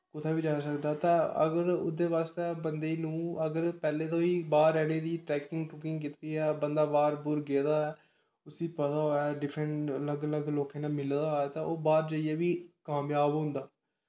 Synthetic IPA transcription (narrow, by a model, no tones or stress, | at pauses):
kʊt̪ʰaːbiːd͡ʒaːsəkd̪aːt̪ãːə̰ɡəɾʊ̰d̪eːʋaːst̪eːbənd̪eːnũːəɡəɾpɛːleːt̪õːiːbaːɾːɛːɽeːd̪iːʈɾɛːkɪŋɡʈʊkɪŋk̬ɪt̪ɾiːɛːbənd̪aːbaːɾbʊɾɡeːd̪aːɛː | ʊsiːpət̪aːoːaːɖɪpʰɾəɳʈələɡələɡloːkẽːnaːmɪld̪aːɦoɛːt̪ãːʔoːbaːɾd͡ʒəiːeːʋiːkaːmjaːbɦʊ̃nd̪aː